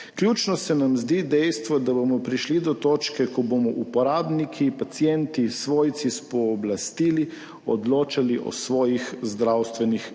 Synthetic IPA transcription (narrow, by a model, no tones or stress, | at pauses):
kljuːt͡ʃnɔsɛnamzd̪id̪ɛjst̪ʋɔd̪abomɔpɾiʃlid̪ɔt̪oːt͡ʃkɛkɔbomɔʔupɔɾaːbnikʰipat̪sjɛnt̪isʋoːjt̪sispɔːblast̪iːli | ɔ̰d̪loːt͡ʃaliʔɔ̰sʋɔːjixzd̪ɾawst̪ʋɛnix